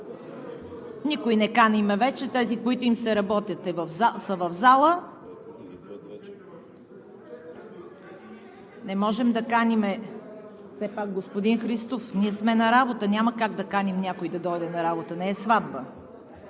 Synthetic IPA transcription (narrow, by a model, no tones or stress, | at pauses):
nikoinɛkanimɛvɛt͡ʃɛt̪ɛzikoit̪ʊimsɛɾɐbɔt̪ʲjət̪ɛvvsəvɐvzalˠə | nɛmɔʒɛmd̪ɐkanʲimɛ | fsɛpak̚ɡospod̪inxɾist̪ofniɛsmɛnɐɾabot̪ənʲaməkaɡ̚d̪ɐkanʲimnʲjakoid̪ɐd̪ɔjd̪ɛnɐɾabot̪ənɛːsvad̪bə